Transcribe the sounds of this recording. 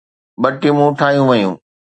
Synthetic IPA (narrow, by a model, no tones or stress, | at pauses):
ɓɐʈimũʊʈʰaːjũʋɐjṵ̃ː